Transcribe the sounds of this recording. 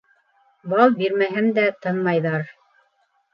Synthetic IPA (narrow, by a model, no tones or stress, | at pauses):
bɑlˠbiɾmæɦɘmd̪æt̪ɤnmɑjðɑɾ